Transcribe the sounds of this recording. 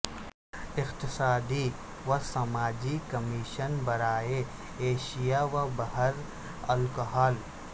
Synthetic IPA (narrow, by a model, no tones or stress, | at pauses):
ɪqt̪ɪsaːd̪i | ʋɐsɐmaːd͡ʒikɐmiʃənbɐɾaːe | eːʃijaʋɐbɐɦəɾ | ɐlkɦaːl